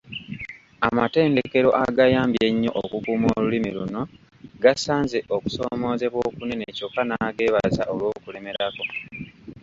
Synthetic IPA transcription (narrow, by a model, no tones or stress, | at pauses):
amate̞ːnde̞ke̞ɾo̞̰ʔaɡajaːmbjeɲːo̞ʔokukuːmo̰ːlulimiluno̞ | ɡasaːnze̞ʔoku̥so̞mo̞ːze̞βwoːkune̞ne̞co̞kːanaɡe̞ːβaza̰ʔo̞lwo̞ːkule̞me̞ɾako̞